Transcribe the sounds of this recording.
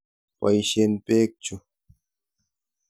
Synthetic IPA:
wa̰jʃempeːk̚t͡ʃʊ

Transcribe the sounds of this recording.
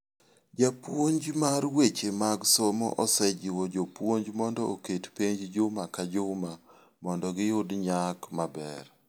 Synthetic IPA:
d͡ʒapwoɲd͡ʒmaɾwet͡ʃemaɡsomo̰ʔɔsɛd͡ʒɪwod͡ʒopwoɲd͡ʒmɔndɔoketpeɲd͡ʒd͡ʒʊmakad͡ʒʊma | mɔndɔɡɪjʊdɲakmabɛr

